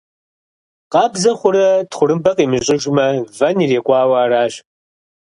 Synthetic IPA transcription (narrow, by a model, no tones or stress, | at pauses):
qɑːbzɐχʷʊɾɐtχʷʊɾɨmbɐqiːmɨɕʼɪʒʷmɐvɐniːreːkʷʼɑːwaːraːɕ